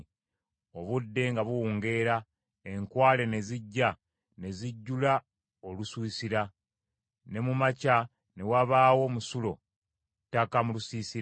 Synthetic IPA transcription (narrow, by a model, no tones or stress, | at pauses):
o̞βudːe̞ŋɡaβuwuːŋɡe̞ːɾa | e̞ŋkwaːle̞ne̞ziɟːa | ne̞ziɟːula | o̞luswiːsiɾa | ne̞mumaca | ne̞waβaːwo̞musulo̞ | tːakamulusiːsi